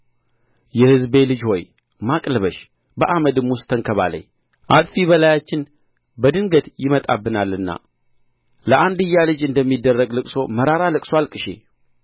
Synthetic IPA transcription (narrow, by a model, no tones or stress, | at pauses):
jɛhɨzbe̞lɨd͡ʒho̞j | makʼləβəʃ | bəʔaməd̪ɨmwʊst̪ʰəŋkʰəβa̰lə̰ɲ | ʔat̪ʼfiβəlajat͡ʃːɪn | bəd̪ɨŋɡət̪jɪmət̪ʼabːɨnalːɨnːa̰ | ləʔand̪ɨjːalɨd͡ʒɨnd̪əmːid̪ːərːəɡlɨkʼso̞məɾaɾalɨkʼswalkʼɨʃḛ